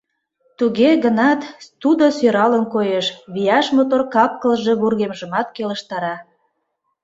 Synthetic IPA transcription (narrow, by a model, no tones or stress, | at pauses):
t̪uɣeɣənɑt̪ud̪osøɾɑlənkojeʃβijɑʃmot̪orkɑp̚kəlʒe̽βurɣemʒəmɑt̪̚keləʃt̪ɑɾɑ